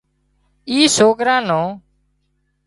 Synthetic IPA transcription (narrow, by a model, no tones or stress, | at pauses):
iːsoːkɾãːnõː